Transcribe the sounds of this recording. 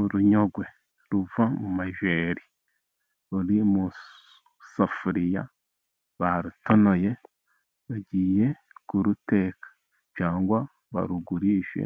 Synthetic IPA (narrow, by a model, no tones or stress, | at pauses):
uɾuɲo̞ɡwe̞ | ɾuvamumaʒeɾi | uɾimu | safuɾija̰ | βaɾutono̞je̞ | βaɟiːje̞ | kuɾute̞ːkḁ | t͡ʃaːŋɡwa | βa̰ɾuɡuɾiːʃḛ